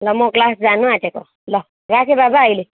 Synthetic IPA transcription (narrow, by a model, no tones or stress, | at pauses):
lɔmɔklasd͡zanũatɛkɔ | lɔ | ɡakebabaːile